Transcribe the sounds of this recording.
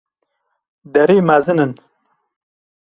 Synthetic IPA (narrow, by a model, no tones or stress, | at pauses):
d̪ɐɾiːmazɨnɨn